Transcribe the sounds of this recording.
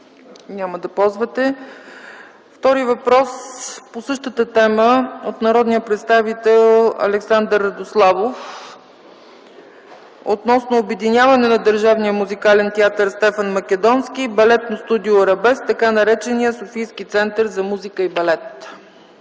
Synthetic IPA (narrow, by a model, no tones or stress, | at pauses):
nʲaməd̪ɐpɔlˠzvət̪ɛ | ft̪ɔɾivɐpɾɔsposɤʃt̪ət̪ət̪ɛməot̪nɐɾɔd̪nijəpɾɛt̪st̪avit̪ɛlˠɐ̰lɛksand̪əɾːɐd̪oslˠavof | o̰t̪nɔsnoːbɛd̪inʲjavɐnɛnɐd̪əɾʒavnijəmuzikalɛnt̪ɛat̪əɾst̪ɛfənmɐkɛd̪ɔnsk̟ibɐlɛt̪nost̪ud̪ioɾɐbɛst̪ɐkanɐɾɛt͡ʃɛnijəsofijsk̟it̪sɛnt̪əɾzɐmuzikəibɐlɛt̪